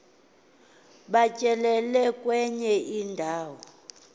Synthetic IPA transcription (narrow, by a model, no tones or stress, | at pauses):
ɓacʼɛlɛlɛkʼwɛɲɛʔindʱaːwɔɔ